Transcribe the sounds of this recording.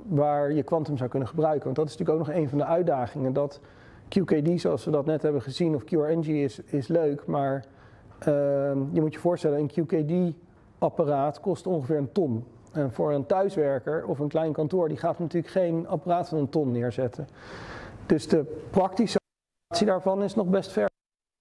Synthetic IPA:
ʋaːɹjəkʋɑntəmzɑwkɵnəχəbrœɥkənʋɑntdɑtɪsntyːəkowk̚nɔχejnvɑndəœɥ̚daːχɪŋəndɑt | kjukedizoɑlˠsʋədɑtnɛtɦɛbəχəzinɔfkjuɹɛnd͡ʒiɪsɪsløɥkmaːɹ | jəmutjəvʊːɹstɛlənənkʰjukedi | ɑparaːtkɔstɔŋχəvɪːɹəntɔn | ɛnvʊːɹəntœɥsʋɛɹkəɹɔfənklɛjnkɑntʊːɹdiχaːtnətyːləkχejnɑparaːtfɑnəntɔnːɪːɹzɛtə | d̥ɵzdəprɑktisə | tsidaːɹvɑnɪsnɔχbɛstfɛɹ

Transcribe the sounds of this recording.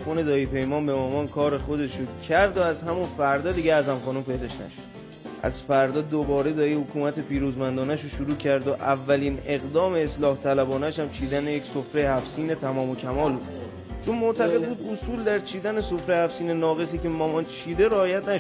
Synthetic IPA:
fone̞d̪ɒːjipʰe̞jmɒːnbe̞mɒːmɒːnkʰɒːɾe̞xod̪e̞ʃocʰæɾd̪oæzhæmunfæɾd̪ɒːd̪iɡeæzæmχɒːnumpʰejd̪ɒʃnæ̰ʃ | ʔæ̰zfæɾd̪ɒːd̪obɒːɾe̞d̪ɒːjihokʰuːmæt̪ʰe̞piːɾuːzmænd̪ɒːnæʃoʃuɾuːcʰæɾd̪oʔævːæliːne̞ɣd̪ɒːme̞ːslɒːht̪ʰælæbɒːnæʃhæmt͡ʃʰiːd̪ænejecsofɾe̞jhæfsiːne̞t̪ʰæmɒːmocʰæmɒːlbud̪ | t͡ʃʰonmoʔt̪ʰæɣe̞d̪̚buːd̪osuːld̪æɾt͡ʃʰiːd̪æne̞so̞fɾejhæfsiːne̞nɒːɣe̞siːcemɒːmɒnt͡ʃʰiːd̪e̞ɾeɒːjæt̪ʰnæ

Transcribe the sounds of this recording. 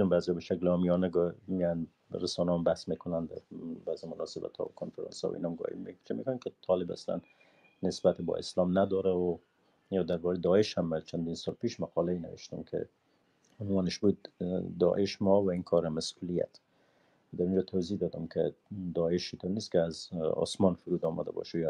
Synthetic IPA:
ʊmbaːzɔbeʃaklɔmijɔnaɡmian | ɾasɔnɔmbahsmekʊnand̪a̰bazɪmʊnɑsɪba̰t̪ʰɔ̰wkʰonfaɾɑ̰nsɔ̰wḭnɔmɡɔ̰hḭmʃmḛkʊnankɪt̪ʰɒlɪba̰sla̰nː | ɪsbat̪ebɔ̰ʔɪ̰slɔmnad̪ɔɾaʊ | jɒd̪aɾbɔɾed̪ɒɪʃhamːat͡ʃand̪insɑlpeʃmaqɑlaina̰wɪ̰ʃt̪ʊ̰mkʰɪ̰ | ʊnwɒnɪʃbud̪ːɒ̰ʔɪʃmɔwainkʰɔɾamasulija̰t̪ | wad̪aɾund͡ʒɔt̪ʰawzihd̪ɒd̪ʊmkʰɪd̪ɒɪʃit̪ɔneskɪazɔ̰smɔnfʊɾud̪ɔma̰d̪a̰bɔ̰ʃaj

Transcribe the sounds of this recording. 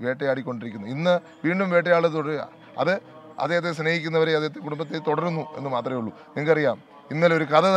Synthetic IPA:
ʋe̞ːʈːɐjaːɽikʲːo̞ɳɖiɾikʲːunːuinːɨ | ʋiːɳɖumʋeːʈ̬ːɐjaːɭɨt̪oɽɐ | ɐ̰ðɨ | ɐ̰d̪eɦɐt̪ːesneːhikʲːunːɐʋɐɾeɐd̪eɦɐt̪ːekuɽumbɐt̪ːet̪oɽɐrunːue̞nːɨmaːt̪rɐmejuɭːu | niŋkɐrijaːm | inːɐloɾukɐðɐ

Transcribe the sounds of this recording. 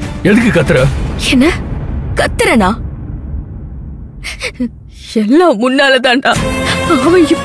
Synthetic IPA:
ɛðɯkːɯkɐt̪ːɯɾɐɛnːɐkɐt̪ːɪɾɐnãː | ɛlːaːmʊnːaːlɐt̪ãːnʈãːɐʋɐ̃ɪpː

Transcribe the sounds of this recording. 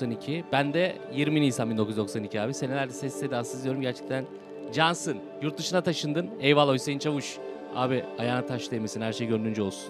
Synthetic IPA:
sanicʰibænd̪ɛ | jiɾmiinijsanbind̪okʰyzd̪o̞ksanicʰiaːbise̞neæɾd̪ɛsɛsːed̪iasɯzd̪jo̞ɾumɟæɾt͡ʃʰɛ̥k̚t̪ʰæn | d͡ʒansɯn | juɾt̪̚d̪ɯʃɯnat̪ʰaʃɯnd̪ɯnɛjvalˠo̞jsejint͡ʃʰavuʃ | a̰ːbiajaːnat̪ʰaʃlˠemisinhæɾʃejɟønd̪ynd͡ʒɛolˠsun

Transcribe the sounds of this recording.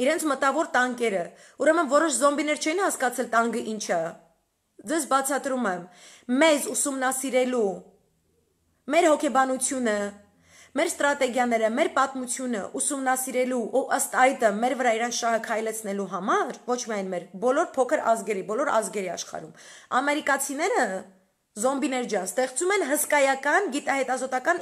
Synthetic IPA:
iɾɛnt͡sʰmət̪ɑvɔɾt̪ɑŋkɛɾə | uɾɛmənvɔɾɔʃzɔmbinɛɾt͡ʃʰɛinhɑskɑt͡sʰɛlt̪ɑŋɡəʔint͡ʃʰə | d͡zɛsbɑt͡sʰɑt̪ɾumɛmː | ɛzusumnɑsiɾɛlu | mɛɾhɔkʰɛbɑnut͡sʰjunə | mɛɾst̪ɾɑt̪ɛɡjɑnɛɾəmɛɾpɑt̪mut͡sʰjunə̰ʔusumnɑsiɾɛluʔuʔəst̪ɑjd̪əmɛɾvəɾɑiɾɑnt͡sʰʃɑhəkʰɑjlɛt͡sʰnɛluɦɑmɑɾvɔt͡ʃʰmiɑjnmɛɾbɔlɔɾpʰɔkʰəɾɑ̰zɡɛɾibɔlɔɾɑ̰zɡɛɾiɑ̰ʃχɑ̰ɾumɑmɛɾikɑt͡sʰinɛɾə | zɔmbinɛɾd͡ʒjɑnst̪ɛχt͡sumɛnɦəskɑjɑkɑnɡit̪ɑhɛt̪ɑzɔt̪ɑkɑn

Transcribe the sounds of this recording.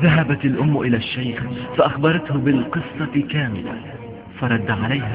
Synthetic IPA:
ðaɦabat̪alʔʊmːʊʔɪlaːʃːajxfaʔaxbɑɾˤɑt̪hʊbɪlqɨsˤːɑkaːmɪ̰la̰ | fɑɾˤɑd̪ːaʕalajha

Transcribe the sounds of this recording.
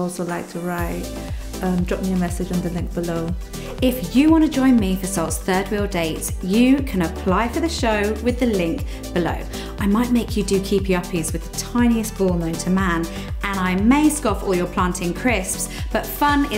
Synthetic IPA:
ɔlˠsoʊlaɪk̚tʰəɹaɪt | ʌ̃mdɹɒpmiəmɛsɪd͡ʒ̃n̩ðəlɪ̃ŋk̚b̥ɪloʊ | ɪfjəwɒ̃ñtəd͡ʒɔ̃ɪ̃nmifəsɔlˠtsθɜːd̚wiːlˠdeɪtsjəkʰə̃nəpʰl̥aɪfəðəʃəʊwɪðəlɪ̃ŋk̚ | b̥ɪlə̰ʊ | ʔaɪmaɪʔmeɪkʰjɨdɨkʰiˑpʰəʌpʰizwɨðətʰãɪ̃niəsb̥ɔːlˠnə̃ʊ̃ntʰəmæ̃n | ʔə̃ñaɪmeɪskɒfɔ̰ːlˠjəpʰl̥ɑ̃ˑntʰɪ̃ŋkʰɹ̥ɪspsb̥ʌtfʌ̃nɪ

